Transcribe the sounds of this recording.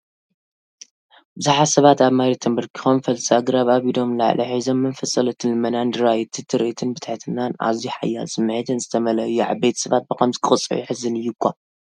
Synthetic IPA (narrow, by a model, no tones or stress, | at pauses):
bɨzɨħasɐβat̪aβmajɾet̪ʰɐmbɐɾkʰi̥xomfɐlsaɡɾaβaβid̪o̞mla̰ʕlʔɐħizo̞mːɐnfɐsʼɐlɐt̪ʰɨnlɨmɐnand̪ɨɾajt̪ʰɨt̪ʰɨɾiʔt̪ʰɨnbɨt̪ʰħt̪ʰɨnana̰ziħa̰jːa̰lsɨmːħit̪ʰɨnzɨt̪ʰɐmɐlɐjːuʕa̰βbet̪ʰɐ̥sɐβat̪̚bɨkɐmzɨkʼɨχʼɨt͡sʼɨʕiħɨzɨnɨjːukʰʷːa